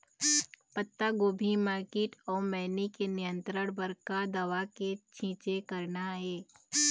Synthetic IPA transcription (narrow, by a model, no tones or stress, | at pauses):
pət̪ːaɡoːbʱimaːɾkeːʈɔːɾmɛːnikenɪjə̃nt̪ɾəɽ̃bəɾkad̪ɐʋaket͡ʃʰĩːt͡ʃekɐɾnaɦɛː